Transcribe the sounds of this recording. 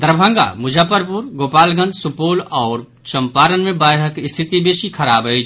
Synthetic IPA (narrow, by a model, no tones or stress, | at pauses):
d̪ɾbʱə̃ŋɡa̰mʊd͡ʒʱəpəɾpuɾɡoːpaːlɡə̃nd̪sʊpoːlɔːɾ | t͡ʃɐmpaːɾənmẽbaːɦəkɪst̪ʰɪt̪ibeːʃikʰɐɾaːbɦəid͡ʒ